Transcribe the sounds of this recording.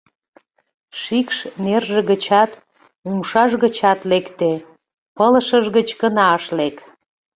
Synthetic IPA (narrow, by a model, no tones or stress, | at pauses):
ʃikʃnerʒeɣət͡ɕɑt̪ | umʃɑʒɣət͡ɕɑt̪lekt̪e | pələʃəʒɣət͡ɕkənɑʃlek